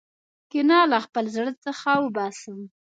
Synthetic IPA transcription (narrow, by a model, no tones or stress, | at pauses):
kɪnɑlaxpəlzɽət͡səxawəbɑsəm